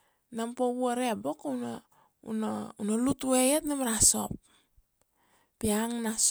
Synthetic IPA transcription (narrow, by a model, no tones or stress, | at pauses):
nampoβuaɾebokona | ṵnunolutuejetnamɾaso̞̰p̚ | piaŋnas